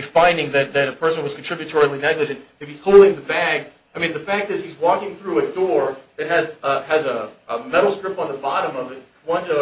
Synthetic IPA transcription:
fãɪ̃ndɪ̃ŋðɨt̪̚ðɨɾɨpʰɜ˞sɨ̃n̩wʌz̥kʰn̩ʰɹ̥ɪbjɨtʰɔɹil̩ˠinɛɡlɨd͡ʒɨ̃ntɨfiz̥hoʊlˠdɪ̃ŋðɨbæɡ | aɪmĩnðɨfæk̚tɨz̥izwɔkɪ̃ŋθɹʉɨdɔɹɨt̚ɦɨzɨzəmɛɾl̩ˠstɹɪp̚tn̩ðəbɑɾə̃mʌvɨt̚ | wʌ̃nə

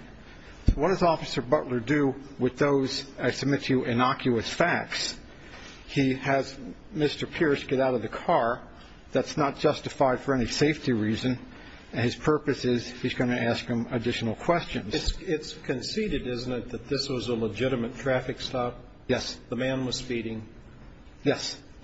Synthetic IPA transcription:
soʊwʌt̚d̥ʌzɔfɨsə˞bʌʔˡlə˞dɨwɨðoʊzɨɪsəb̚mɪtʰɨʔɨnɑkʰjʉɨsfæk̚ts | hiɨz | mɪstə˞pʰɪɹsɡ̥ɛɾaʊɾʌvðɨkʰɑɹ | ðɨtsnət̚d̥ʒ̥ʌstɨfaɪd̥fə˞ɛniseɪftiɹizɨ̃n | ɨ̃nɨz̥pʰɜ˞pɨsɪz̥hizɡʌ̃ñɨæskhɨ̃mɨdɪʃn̩l̩ˠkʰw̥ɛst͡ʃɨ̃nzɨtsɪtskʰɨ̃nsiɾɨɾɪzn̩tɨt̪̚ðɨt̪̚ðɪswʌzələd͡ʒɪɾɨmɨtʰɹ̥æfɨkstɑp̚ | jɛsðəmæ̃nwʌz̥spiɾɪ̃ŋ | jɛs

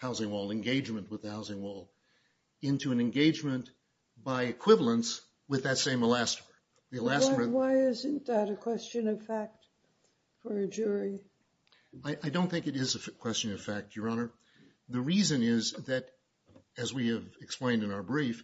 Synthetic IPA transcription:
haʊzɪ̃ŋwɔlˠɨ̃nɡeɪd͡ʒmɨ̃nʔwəðɨhaʊzɪ̃ŋwɔlˠ | ɪ̃ntʰʉɨ̃nɨ̃nɡeɪd͡ʒmɨ̃n | b̥aɪɨkʰw̥ɪvl̩ˠə̃ns | wɨðɨtsẽɪ̃məlæstə˞ə˞ | ðiəllæsə˞əwaɪɪzɨ̃nðɨɾɨkʰw̥ɛst͡ʃɨ̃nʌv̥fæk̚t | fə˞ɨd͡ʒʊɹi | aɪʔaɪdõʊ̃nθɪ̃ŋkɨɾɪzɨfkʰw̥ɛst͡ʃɨ̃nʌv̥fæk̚tʰjə˞ɑnə˞ | ðɨɹizɨ̃nɪzðɨɾ | ɨzwiɨvɨksplẽɪ̃ndɨ̃naʊə˞bɹif

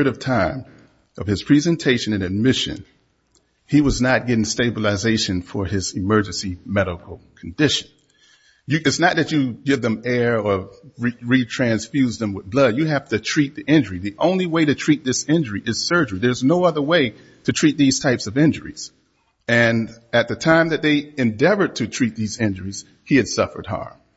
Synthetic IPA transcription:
ɾʌv̥tʰãɪ̃m | ʌv̥ɨz̥pʰɹ̥izɨ̃ntʰeɪʃɨ̃nɨ̃nɨd̚mɪʃɨ̰̃n | iwʌznət̚ɡ̥ɛɾɪ̃ŋsteɪbəlˠɨzeɪʃɨ̃nfə˞ɪzɨmɜ˞d͡ʒɨ̃nsimɛɾəkl̩ˠkʰn̩dɪʃɨ̃n | jɨɨtsnət̪̚ðɨt͡ʃɨɡɪvðɨ̃mɛɹə˞ɹiɹitʰɹ̥æ̃nsfjʉzðə̃mwəðblʌdjɨhæftɨtʰɹ̥it̪̚ðiʔɪ̃nd͡ʒə˞iðiʔõʊ̃nliweɪɾɨtʰɹ̥it̪̚ðɪsɪ̃nd͡ʒə˞iʔɨz̥sɜ˞d͡ʒə˞iðə˞znoʊʌðə˞weɪ | ɾɨtʰɹ̥it̪̚ðiz̥tʰaɪpsʌvɪ̃nd͡ʒə̰˞ḭz̥ | ɨ̃nɨt̪̚ðɨtʰãɪ̃mðɨt̪̚ðeɪɨ̃ndɛvə˞d̚tʰɨtʰɹ̥it̪̚ðizɪ̃nd͡ʒə˞iz̥ | hiɨd̥sʌfə̰˞d̚hɑ̰ɹm

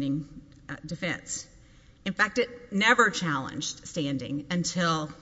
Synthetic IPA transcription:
nɪ̃ŋ | dɨfɛ̰̃ns | ɨ̃nfæk̚tɨtⁿnɛvə˞t͡ʃʰælˠə̰̃nd͡ʒdstæ̃ndɪ̰̃ŋɨ̃ntʰɪlˠ

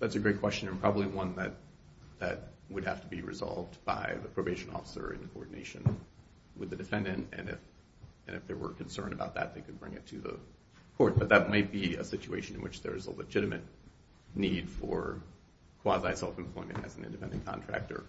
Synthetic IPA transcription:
ðætsɨɡɹeɪt̚kʰw̥ɛst͡ʃɨ̃nɨ̃npʰɹ̥ɑbəbliwʌ̃nðɨt̪̚ | ðɨt̚wəd̚hæftəbiɹɨ̰zɑ̰lˠvdb̥a̰ɪðɨpʰɹ̥oʊbeɪʃɨ̃nɔ̰fə̥sə̰˞ɨ̰̃nkʰoɔ̰ɹdⁿn̩ḛɪʃɨ̃n | wɨðɨdɨfɛ̃ndɨ̃ntɨ̰̃nɪ̰f | ɨ̃nɨfðə˞wə̰˞kʰn̩sɜ̰̃˞nɨbaʊt̪̚ðɨ̰t̪̚ðeɪkʰɨd̚bɹɪ̃ŋɨtʰɨðə̰ | kʰɔɹt̚b̥ʌt̪̚ðɨt̚maɪt̚b̥iɨsɪt͡ʃueɪʃɨ̃nɨ̃nwɨt͡ʃðə˞ɨzə̰ləd͡ʒɪɾɨmɨ̰tⁿ | nid̥fə˞ | kʰw̥ɑzaɪsɛlˠfm̩pʰl̥ɔ̃ɪ̃mɨ̰̃ñtɨ̰zn̩ɪ̰̃ndɨpʰɛ̃ndɨ̃nkʰɑ̰̃ntʰɹ̥æ̰k̚tə̰˞

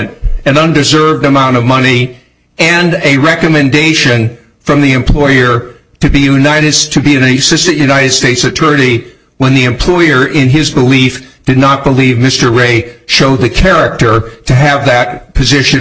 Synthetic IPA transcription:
nɨ̃nʌ̃ndɨzɜ˞vdɨmãʊ̃ɾ̃ʌvmʌni | ɨ̃nɨɹɛkɨmɨ̃ndeɪʃɨ̃n | fɹʌ̃mðiɨ̃mpʰl̥ɔɪə˞ | ɾɨbijʉnaɪɾɨd̚tʰɨbiɨ̃nɨsɪstɨ̃nʔjʉnaɪɾɨd̥steɪtsɨtʰɜ˞ɨɾi | wə̃nðiɨ̃mpʰl̥ɔɪə˞ʔɪ̃nɪzbəlifd̥ɨdⁿnət̚b̥əlivmɪstə˞ɹeɪʃoʊd̪̚ðɨkʰɛɹɨk̚tə˞ɾɨːvðɨt̚pʰɨzɪʃɨ̃

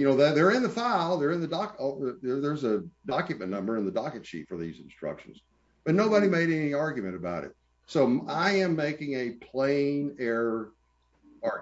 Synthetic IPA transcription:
jɨnoʊðɨðə˞ɨ̃nðəfaɪlˠðə˞ɨ̃nðɨdɑkðə˞ðə˞zədɑkjɨmɨ̃nʌ̃mbə˞ɨ̃nðɨdɑkɨt̚t͡ʃʰḭtfə˞ðḭzɨ̃n̩stɹ̥ʌ̰kʃɨ̃n̩z̥ | b̥ʌtⁿnoʊbəɾimeɪɾɛniɑɹɡjɨmɨ̃ɾ̃ɨbaʊɾɨ̰t̚ | soʊaɪɨ̃mːeɪkɪ̃ŋɨpʰl̥ẽɪ̃nɛɹ | ɑ

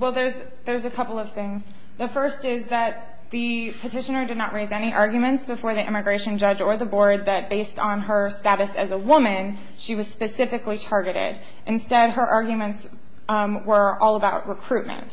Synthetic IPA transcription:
wɛlˠðə˞z | ðə˞zɨkʰʌpl̩ˠʌv̥θɪ̃ŋz | ðɨfɜ˞stɪzðɨt̪̚ | ðɨpʰɨtɪʃɨ̃nə˞dɨdⁿnəʔ̚ɹeɪzɛñiʔɑɹɡjɨmɨ̃ntsb̥ɨfɔɹðiʔɪ̰̃mɨɡɹeɪʃɨ̃nd͡ʒʌd͡ʒə˞ðəbɔɹd̪̚ðɨt̚b̥eɪstn̩ə˞stæɾɨsɨ̰zəwʊmɨ̃n | ʃiwʌz̥spɨsɪfɨklitʰɑɹɡɨɾɪ̰ɾ | ʔɨ̃nstɛd̚ə˞ʔɑɹɡjmɨ̃nts | wə˞ʔɔlˠəbaʊʔ̚ɹəkʰɹ̥ʉt̚mɨ̰̃nt

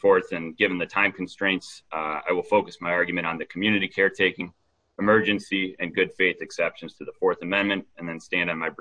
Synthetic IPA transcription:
fɔɹθɨ̃nɡɪvɨ̃n̩ðɨtʰãɪ̃mkʰn̩stɹ̥ẽɪ̃ntsa̰ɪwəlˠfoʊkɨsmaɪɑɹɡjmɨ̃ɾ̃n̩ðɨkʰm̩jʉnɨɾikʰɛɹtʰeɪkɪ̃ŋ | əmɜ˞d͡ʒɨ̃nsiɨ̃nɡʊd̥feɪθɨksɛpʃɨ̃nz̥tʰɨðəfɔɹθɨmɛ̃nmɨ̃nt̚ɨ̃nðɨ̃nstæ̃ndɨn̩maɪb

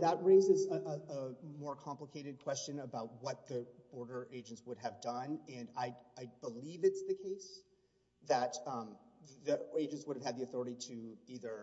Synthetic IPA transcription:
ðət̚ɹeɪzɨzəʔəəmɔɹkʰɑ̃mpləkʰeɪɾɨd̚kʰw̥ɛst͡ʃɨ̃nəbaʊt̚wʌt̪̚ðɨb̥ɔɹɾə˞ʔeɪd͡ʒɨ̃ntswʊɾ̚ɨvdʌ̃nɨ̃naɪaɪbəlivɨtsðɨkʰeɪs | ðɨt̪̚ | ðieɪd͡ʒɨ̃ntswʊɾɨv̥ɨd̪̚ðiɨθɔɹəɾiɾɨiðə˞

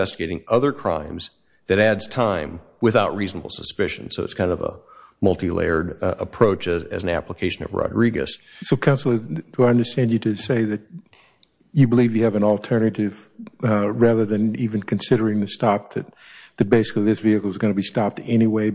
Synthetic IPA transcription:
ɛstɨɡeɪɾɪ̃ŋʌðə˞kʰɹ̥ã̰ɪ̃mz̥ | ðɨɾædz̥tʰãɪ̃m | wɨθaʊt̚ɹiznəbl̩ˠsəspɪʃɨ̃n̩soʊɨtskʰãɪ̃ndʌ̰və̰mʌlˠtilḛɪə˞ɾəpʰɹ̥oʊt͡ʃɨzɨ̰z̃n̩æ̰pləkʰeɪʃɨ̃nʌ̰vɹɑ̰dɹiɡɨ̰ssoʊkʰãʊ̃nsl̩ˠə˞d̥ɨaɪʌ̃ndə˞stæ̃nd͡ʒɨɾɨseɪðɨt͡ʃ̚ | jɨbəlivjɨːvɨ̃nl̩ˠtʰɜ˞nɨɾɪv | ɹæðə˞ðɨ̃nivɨ̃nkʰɨ̃nsɪɾə˞ɪ̃ŋðɨstɑp̚ðɨt̪̚ðɨt̚b̥eɪsɨ̥kliðɪsviɨkl̩ˠɨzɡʌnəbistɑp̚tɛniweɪ

